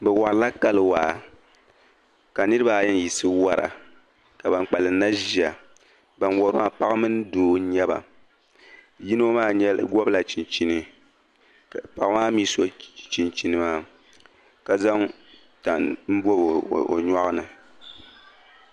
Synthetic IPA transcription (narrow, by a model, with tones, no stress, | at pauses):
bɛ˨wa˨ɾla˦ka˦lɨ˨waː˨ | ka˨nɨ˦ɾɨ˦ba˦˨˦jɛ˦n˨ji˨sɨ˦wa˨ɾa̰˨ | ka˨ba˨ŋk͡pa˨lɨ˨˦na˦ʒi˨a˨ | ba˨nwɔ˨ɾma˦pa˦ɣa˦mɨ˦n˦doː˨˦ɲɛ˦ba̰˨ | ji˦no˦maː˦˨ɲɛ̰˦ɡɔ˦bla˨t͡ʃi˨nt͡ʃi˦nɨ˦˨ | pa˨kmaː˦miː˦so˦t͡ʃi˨nt͡ʃi˨nɨ˦maː˦ | ka˨za˦ŋ | ta˨nm̩˦bɔ˦˨o̰˨ɲa˦ʔa˦nɨ˨